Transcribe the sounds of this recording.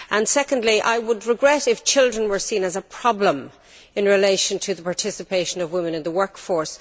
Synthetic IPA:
ʔə̃nsɛkə̃ndliʔa̰ɪwədɹɪɡɹɛɾɪft͡ʃʰɪlˠdɹə̃nwə˞sĩnəzəpʰɹ̥ɑblə̃m | ɪ̃nɹɪleɪʃə̃ntʰɨðəpʰaɹtʰɪsɨpʰeɪʃə̃nʌvwɪ̃mə̃nɨ̃nðəwɜ˞kfɔɹs

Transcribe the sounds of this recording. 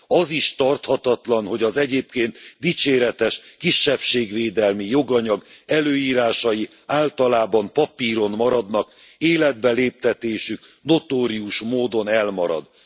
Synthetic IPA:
ɒziʃt̪ɒrt̪hɒt̪ɒt̪lɒnɦo̞ɟɒzɛɟeːpkeːnt̪d̪it͡ʃeːɾɛt̪ɛʃkiʃːɛpʃeːɡʋeːd̪ɛlmijo̞ɡɒɲɒɡɛløːiːɾaːʃɒji | aːlt̪ɒlaːbɒmpɒpiːɾo̞nmɒɾɒd̪nɒk | eːlɛd̪̚bɛleːp̚t̪ɛt̪eːʃykno̞t̪oːɾiuʃmoːd̪o̞nɛlmɒɾɒ̰d̪

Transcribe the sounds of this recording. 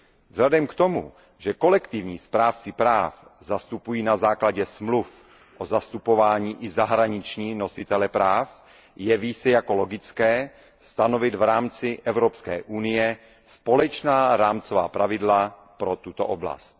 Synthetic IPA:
vzɦladɛmkt̪o̞mṵ | ʒɛko̞lɛkt̪ɪvɲiːspɾaːft͡sipɾaːfzast̪upujiːnazaːklaɟɛsmluf | ʔozast̪upo̞vaːɲiːʔɪzaɦɾaɲɪt͡ʃɲiːno̞sɪt̪ɛlɛpɾaːf | jɛviːt͡sɛjako̞lo̞ɡɪt͡skɛː | st̪ano̞vɪt̪vɾaːmt͡sɪʔɛvɾopskɛ̰ːʔunɪjɛ | spo̞lɛt͡ʃnaːɾaːmt͡sova̰ːpɾavɪdlapɾo̞t̪ut̪o̰ʔobla̰st̪̚

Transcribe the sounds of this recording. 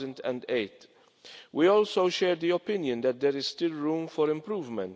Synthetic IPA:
zə̃nt̪ɛ̰̃nd̪ejt̪ | wiɔːlsowʃɛːɾd̪iɔpɪnjə̃nd̪ɛt̪̚d̪ɛɾɪzst̪ɪlɾũːmfɔɾɪ̃mpɾuːvmɛ̃nt̪

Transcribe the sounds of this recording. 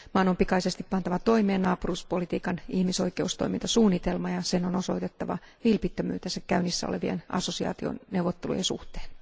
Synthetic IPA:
mɑːnompikɑisest̪ippɑnt̪ɑʋɑt̪oimeːnnɑːpuruːspolit̪iːkɑnihmiso̞ike̞ust̪o̰imint̪ɑsuːnːit̪elmɑjɑsenonoso̞it̪et̪ːɑʋɑ̰ | ʋilpit̪ːømy̰ːt̪ensækkæynːisːæo̰lḛʋiḛnʔɑ̰sosiɑ̰ːt̪io̰nnewʋot̪ːelṵjḛnsṵht̪e̥ːn

